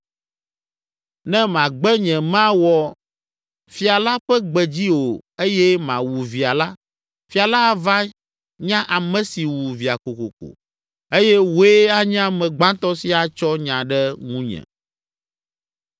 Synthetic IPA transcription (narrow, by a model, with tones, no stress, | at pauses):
nɛ̃˦mã˨ɡ͡bɛ˦ɲɛ̃˨mã˦wɔ˨ | fi˨a˨la˦ɸɛ˦ɡ͡bɛ˨d͡ʑi˦wo˨e˦jɛ˦mã̰˨wu˨vi˨a˨la˦ | fi˨˦a˨la˦˨va˦ | ɲã˦ʔa˨mɛ̃˦si˨wu˨vi˨a˨ko˨ko˨ko̰˨ | e˦jɛ˦wo˨˦e˦a˦ɲã˦mɛ̃˨ɡ͡bã˦t̪ɔ˦si˦a˨t͡ʃɔ˦ɲã˨ɖɛ˦ŋũ˦ɲɛ̰̃˨